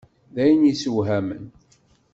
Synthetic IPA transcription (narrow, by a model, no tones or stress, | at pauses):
ðæjənjisəwɦæmə̰n